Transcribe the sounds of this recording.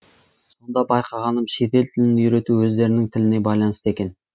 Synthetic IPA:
so̞nd̪ɑbɑjqʰɑʁɑnəmʃe̞t̪e̞lt̪ʰɪlɪnɪjyɾe̞t̪uwɵzd̪e̞ɾɪnɪŋt̪ʰɪlɪne̞bɑjlˠɑnəst̪e̞kʲe̞n

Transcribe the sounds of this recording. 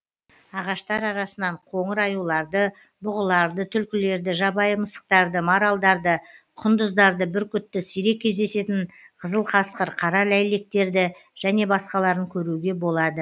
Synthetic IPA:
ɑʁɑʃt̪ɑɾɑɾɑsənɑɴqʰo̞ɴəɾɑjulˠɑɾd̪ə | bʊʁəlˠɑɾd̪ət̪ʰʏlkʲɪle̞ɾd̪ɪʒɑbɑjəməsə̥q̚t̪ɑɾd̪əmoɾɑlˠd̪ɑɾd̪ə | qʰʊnd̪əzd̪ɑɾd̪əbɪɾkʲʰʏt̪ːɪsijɾe̞kʲʰːe̞zd̪e̞se̞t̪ɪɴ | qʰəzəlˠqʰɑsqəɾqʰɑɾɑlæjle̞k̚t̪e̞ɾd̪ɪʒ̥æne̞bɑsqɑlˠɑɾəŋkʲʰɵɾuɡʲe̞bo̞lˠɑd̪ə

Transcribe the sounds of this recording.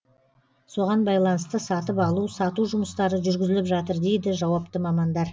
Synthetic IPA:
so̞ʁɑnbɑjlˠɑnəst̪əsɑt̪əpɑlˠusɑt̪uʒʊməst̪ɑɾəʒʏɾɡʲɪzɪlɪpʒɑt̪əɾd̪e̞jd̪ɪʒɑwɑpt̪əmɑmɑnd̪ɑɾ

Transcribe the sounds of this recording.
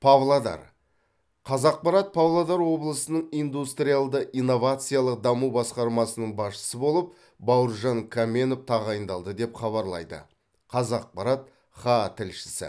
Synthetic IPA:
pʰɑvlˠad̪ɑ̰ɾ | qʰɑzɑq̚pɑɾɑt̪̚pʰavlˠad̪ɑɾwo̞blˠəsənəɴijnd̪ust̪ɾijalˠd̪əʔijno̞vat̪sɨjalˠəqd̪ɑmubɑsqɑɾmɑsənəɴbɑsʃə̥səbo̞lˠəp̚ | bɑwəɾʒɑŋkʰamʲe̞nopt̪ʰɑʁɑjənd̪ɑlˠd̪əd̪e̞pχɑβɑɾlˠɑ̰jd̪ə̰ | qʰɑzɑq̚pɑɾɑt̪̚ | χɑt̪ʰɪlʃɪ̥sɪ̰

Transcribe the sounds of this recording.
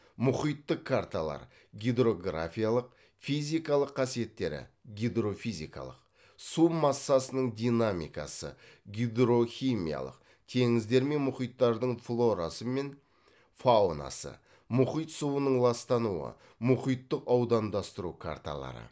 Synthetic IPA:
mʊχijt̪ːəqkʰːaɾt̪alˠɑ̰ɾ | ɡʲijd̪ro̞ɡra̰fʲijalˠəq̚ | fizijkɑlˠəqʰːɑsije̞t̪ːe̞ɾɪ̰ɡʲid̪ro̞fijzʲikɑ̰lˠə̰q̚ | sumɑsːɑsənəɴd̪ʲijnamḭjkɑsə̰ɡʲid̪ɾo̞xʲimḭja̰lˠə̰q̚ | t̪ʰe̞ŋɪzd̪e̞ɾme̞nmʊχijt̪ːɑɾd̪əɴflˠo̞ɾasəme̞n | faona̰sə̰ | mʊχijt̪suwənəɴlˠɑst̪ɑnuə̰ | mʊχijt̪ːəqɑwd̪ɑnd̪ɑst̪əɾukʰa̰ɾt̪a̰lˠɑ̰ɾə̰

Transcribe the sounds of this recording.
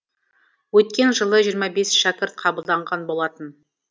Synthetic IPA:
wɵt̪̚kʲe̞nʒəlˠəʒijəɾmɑbe̞sʃækʲɪɾt̪̚qʰɑbəlˠd̪ɑɴʁɑnbo̞lˠɑt̪ən

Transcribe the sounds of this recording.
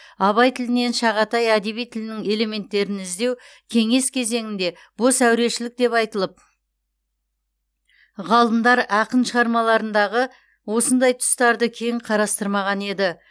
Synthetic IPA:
ɑβɑjt̪ʰɪlɪne̞nʃɑʁɑt̪ɑjæd̪e̞βijt̪ʰɪlɪnɪŋe̞le̞me̞nt̪ːe̞ɾɪnɪzd̪e̞w | kʲʰe̞ŋe̞skʲʰe̞ze̞ŋɪnd̪e̞ | b̥osæwɾe̞ʃɪlɪk̚d̪e̞pɑjt̪əlˠəp̚ | ʁɑlˠəmd̪ɑɾɑqənʃəʁɑɾmɑlˠɑɾənd̪ɑʁə | wo̞sənd̪ɑjt̪ʰʊ̥st̪ɑɾd̪əkʲʰe̞jɴqʰɑɾɑst̪əɾmɑʁɑne̞d̪ɪ

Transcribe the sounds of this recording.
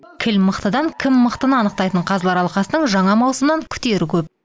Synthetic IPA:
kʲʰɪlməqt̪əd̪ɑŋkʲʰɪmːəqt̪ənəɑnəq̚t̪ɑjt̪əɴqʰɑzlˠɑɾɑlˠqɑsənəɴʒɑɴɑmɑwsəmənɑŋkʲʰʏ̥t̪e̞ɾɪkʲʰɵp̚

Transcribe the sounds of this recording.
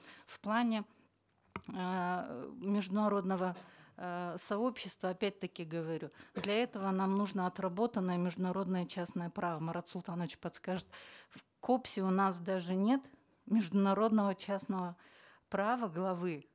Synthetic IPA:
fplˠanʲɪ | mʲɪʐd̪ʊnɐɾo̞d̪nəvə | sɐo̞pɕːɪst̪vəɐpʲæt̚ʲt̪əkʲɪɡəvɐɾʲud̪lʲɐɛt̪əvənamnuʐnəɐt̪rɐbo̞t̪ənːəjəmʲɪʐd̪ʊnɐɾo̞d̪nəjət͡ɕasnəjəpɾavəmɐɾat̪sʊlˠt̪anəvt͡ɕpɐt̪skaʐɨt̪̚ | kopsʲɪʊnas̬d̪aʐɨnʲet̪ | mʲɪʐd̪ʊnɐɾo̞d̪nəvət͡ɕasnəvə | pɾavəɡlˠɐvɨ

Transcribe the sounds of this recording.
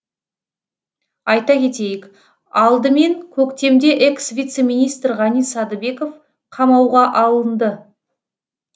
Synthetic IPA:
ɑjt̪ɑkʲʰe̞t̪e̞jɪk | ɑlˠd̪əme̞ŋkʲʰɵkt̪e̞md̪e̞ʔeksvʲijt̪se̞mʲijnijst̪ɾʁɑnijsɑd̪əbe̞kof | qʰɑmɑwʁɑʔɑlˠənd̪ə

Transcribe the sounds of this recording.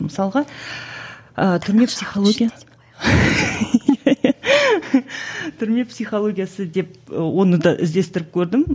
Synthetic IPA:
məsɑlˠəʁɑ | ət̪ʰʏɾme̞psijχolˠo̞ɡʲija | t̪ʰʏɾme̞psijχolˠo̞ɡʲijasəd̪e̞p̚əwo̞nəd̪ɑʔɪ̰zd̪e̞st̪ɪɾɪp̚kʲʰɵɾd̪ɪm

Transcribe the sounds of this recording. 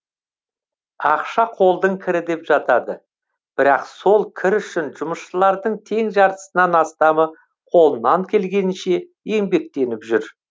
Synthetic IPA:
ɑqʃɑqʰo̞lˠd̪əɴkʲʰɪɾɪd̪e̞pʒ̥ɑt̪ɑd̪ə | b̥ɪɾɑqso̞lˠkʲʰɪɾʏʃɪnʒʊməsʃəlˠɑɾd̪əɴt̪ʰe̞ŋʒɑɾt̪ə̥sənɑnɑst̪ɑmə | qʰo̞lˠənːɑŋkʲʰe̞lɡʲe̞nɪnʃe̞ | e̞mbe̞k̚t̪e̞nɪpʒʏɾ

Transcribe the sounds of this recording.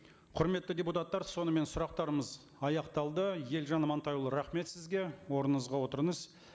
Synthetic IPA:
qʰʊɾme̞t̪ːəd̪ʲe̞put̪ɑt̪ːɑɾso̞nəme̞nsʊɾɑq̚t̪ɑɾəməz | ɑjɑqt̪ɑlˠd̪əje̞lʒɑnmɑnt̪ɑjulˠəɾɑχme̞t̪sɪzɡʲe̞wo̞ɾənəɴəzʁɑwo̞t̪əɾəɴəz

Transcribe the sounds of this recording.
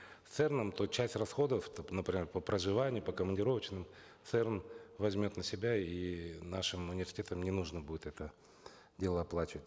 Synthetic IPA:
t̪sɛrnəmt̪ot͡ɕæsʲtʲrɐsxo̞d̪əft̪nəpɾʲɪmʲerpəpɾəʐɨvanʲɪjʊpəkəmənʲdʲɪɾo̞vət͡ɕnɨm | t̪sɛrnvɐzʲmʲo̞t̪nəsʲɪbʲainaʂɨmʊnʲɪɪrsʲɪtʲet̪əmnʲɪnuʐnəbudʲɪt̪ɛt̪ə | dʲe̞lˠəɐplˠat͡ɕɪvətʲ

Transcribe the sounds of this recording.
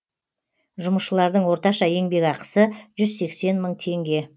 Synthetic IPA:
ʒʊməsʃəlˠɑɾd̪əɴwo̞ɾt̪ɑʃɑje̞ŋbe̞kɑqə̥səʒʏzse̞kse̞nməɴt̪ʰe̞ŋɡʲe̞

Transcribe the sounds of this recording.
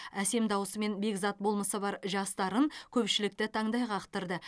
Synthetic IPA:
æse̞md̪ɑwəsəme̞nbe̞kzɑt̪̚bo̞lˠməsəbɑɾʒɑst̪ɑɾəŋkʲʰɵpʃɪlɪk̚t̪ɪt̪ʰɑɴd̪ɑjʁɑqt̪əɾd̪ə

